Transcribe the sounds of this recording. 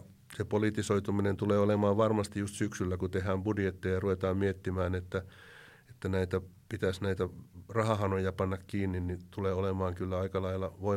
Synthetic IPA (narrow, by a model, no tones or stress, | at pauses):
sepolit̪isoit̪uminent̪uleːolemɑːʋʋɑrmɑst̪ijust̪syksylːækut̪ehæːmb̥udjet̪ːejjɑruʋet̪ɑːmmiet̪ːimæːnet̪ːæ | et̪ːænæit̪æpit̪æsnæit̪ærɑhɑhɑnojɑpɑnːɑkkiːnːinnit̪uleːolemɑːŋkylːæɑikɑlɑilːɑʋoi